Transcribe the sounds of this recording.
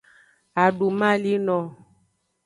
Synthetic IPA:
a˨ɖu˨mã˦li˦nɔ̃˨

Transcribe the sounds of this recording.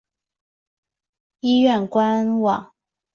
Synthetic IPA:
i˥ɥɛ˥˨˩nkwa˦nwɑ˨˩˦ŋ

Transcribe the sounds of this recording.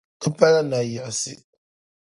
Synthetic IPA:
pa˦la˦na˨ja˨sḭ˨

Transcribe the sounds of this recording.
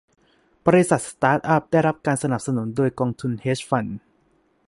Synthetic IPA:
b̥ɔː˧ɾi˦˥sa˨˩t̪̚st̪aː˦˥t̪̚ʔa˦˥˩p̚da˥˩jɾa˦˥p̚kaː˧nsa˧na˨˩p̚sa˧nu˩˦ndoː˧jkɔː˧ŋt̪ʰu˧nheː˦˥sfa˧n

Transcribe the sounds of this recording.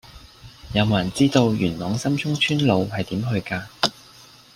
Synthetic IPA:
jɐ˨˧wmɐ˨˩nt͡siː˥t̪o˧wjyː˨˩nlɔː˨˧˥ŋsɐ˥mt͡ʃʰʊ˥ŋt͡ʃʰyː˥nlo˨˧whɐ˨jt̪iː˨˥mɦɵ˧ɥkaː˧

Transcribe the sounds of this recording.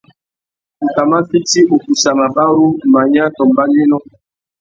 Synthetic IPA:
u˨ta˨ma˦fi˦ti˦o˨pu˨sa˨ma˨ba˦ɾu˦ma˨ɲa˦tɔ˨mba˦le˦nɔ˦

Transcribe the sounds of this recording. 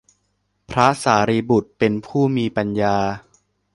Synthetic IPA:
pʰɾa˦˥saː˩˦ɾiː˧bu˨˩t̪̚pe˧npʰuː˥˩miː˧pa˧njaː˧

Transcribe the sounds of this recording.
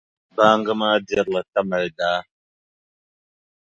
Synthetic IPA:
baː˦ŋɡɨ˦maː˦di˦ɾlɐ˨t̪ɐ˦mɐ˨ld̪aː˦

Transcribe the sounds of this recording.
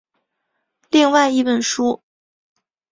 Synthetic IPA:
li˥˧ŋwa˥˩ɪi˥pə˨˩nʂu˥

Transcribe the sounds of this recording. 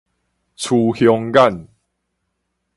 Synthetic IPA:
t͡sʰu˧hjɔ˧ŋɡa˥˨n

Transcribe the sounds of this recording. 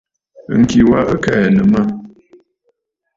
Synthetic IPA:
ŋ̩˨ki˨wa˦ʔə˦kɛ˦˨nə˨ma˦

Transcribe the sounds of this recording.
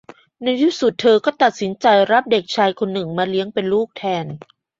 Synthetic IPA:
na˧jju˦˥˩su˨˩t̪ʰːɤː˧kɔː˥˩t̪a˨˩t̪̚si˩˦nt͡ɕa˧jɾa˦˥p̚de˨˩k̚t͡ɕʰaː˧jkʰo˧nːɯ˨˩ŋmaː˧li˦˥əŋpe˧nluː˥˩k̚t̪ʰɛː˧n

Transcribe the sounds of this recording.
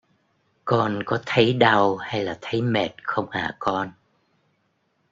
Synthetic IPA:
kɔ˧nkɔ˨˦t̪ʰə˨˦jɗa˧wha˧jlaː˨˩t̪ʰə˨˦jme˨˩t̚xə˧wŋ͡mʔa̰ː˨˩kɔ˧n

